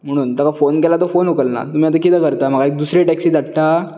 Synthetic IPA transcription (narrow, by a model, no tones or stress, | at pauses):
m̤əɽ̃uːnt̪akafonkɛlat̪ɔfonokəlna̰t̪um̤iːat̪əkit̪ə̃kəɾt̪am̤aɡaek̚d̪usɾeʈɛksiːd͡z̪aɽʈ̪a